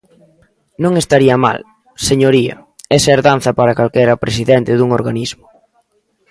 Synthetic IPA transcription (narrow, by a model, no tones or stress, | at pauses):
nõŋest̪aɾiɐma̰l | seɲoɾiɐ̰ | ɛsaeɾðan̟θɐpaɾɐkalkɛɾɐpɾesiðɛnt̪ɪðuŋoɾɣanizmʊ̥